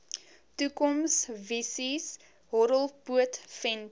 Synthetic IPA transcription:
tukɔmsvisis | ɦɔɾəlˠpuətfɛn

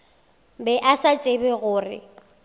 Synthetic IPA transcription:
bɛʔasat͡sʼebɛɣʊːrɪ̰

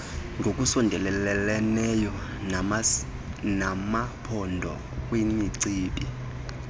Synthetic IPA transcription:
ŋɡʱokʼusɔndʱɛlɛlɛlɛnɛjɔ | namapʰɔndʱɔ̰ | kʼwimiǀiːpʼi

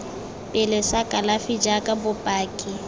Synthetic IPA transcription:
pʼɪlɪsakʼalafid͡ʒakʼabʊpʼaːkʼɪ

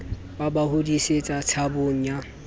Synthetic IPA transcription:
babahʊdiset͡sʼat͡sʰaboŋ̩ɲa

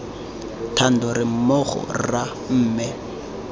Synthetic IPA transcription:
tʰan̩dɔɾɪm̩mɔχɔ̰ra | m̩ːmɛ

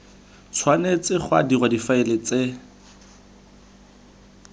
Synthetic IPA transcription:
t͡sʰwanet͡sɪχwa̰dirwadifaɪlɪt͡se

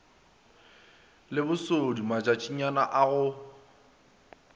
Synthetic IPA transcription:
lɪbʊsodimat͡ʃʼat͡ʃʼiɲanaʔaɣʊ

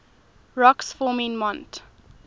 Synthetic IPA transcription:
ɹɔksfɔːmĩnmɔ̃nt

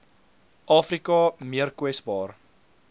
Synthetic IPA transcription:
ʔɑːfrikɐmiərkwɛsbɑːr

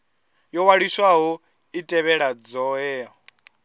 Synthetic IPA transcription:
jɔwaɺiswaɦɔ | itʼɛβɛɺad͡zɔːɦɛːɦɔ

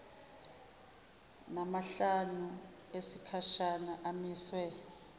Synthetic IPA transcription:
namaɬanu | esikʰaʃanaʔamiːswɛ

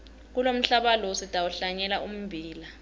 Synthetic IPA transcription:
k̬ulom̩ɬaɓalɔsitʼawuɬaɲɛlaʔum̩bʱiːla

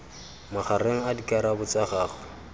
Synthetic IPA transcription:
maχaɾeŋ̩adikʼaɾabʊt͡sʼaχaːχɔ

